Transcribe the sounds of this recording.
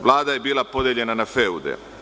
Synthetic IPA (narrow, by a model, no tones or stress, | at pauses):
ʋlˠaːd̪aje̞biːlˠapo̞d̪eʎe̞nanafeud̪ɛ̰